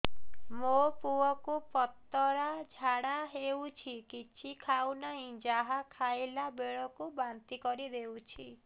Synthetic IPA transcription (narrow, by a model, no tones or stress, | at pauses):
mopuɔkupɔt̪ːɔɾad͡ʒʱaɽaɦewt͡ʃʰikit͡ʃʰikʰawnaɦĩd͡ʒaɦakʰajlabeɭɔkubant̪ikɔɾid̪ewt͡ʃʰi